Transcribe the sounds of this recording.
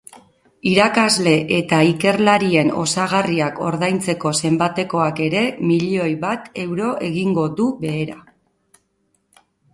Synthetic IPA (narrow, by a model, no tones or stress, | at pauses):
iɾakazle̞ʔet̪aike̞ɾlaɾie̞no̞saɣ̞ariako̞̰ɾðajnt͡se̞ko̞se̞mbat̪e̞ko̞ake̞ɾe̞miʎo̞jβat̪e̞wɾo̞ʔe̞ɣiŋɡo̞ðuβe̞ːɾa